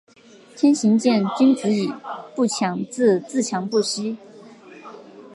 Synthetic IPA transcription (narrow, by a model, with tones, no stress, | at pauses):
t̪ʰjɛ˥nɕi˧˥ŋt͡ɕjɛ˥˩nt͡ɕy˥nt͡sɹ̩˧˥i˨˩pu˥˩t͡ɕʰjɑ˧˥ŋt͡sɹ̩˥˧t͡sɹ̩˥˩t͡ɕʰjɑ˧˥ŋpu˥˩ɕi˥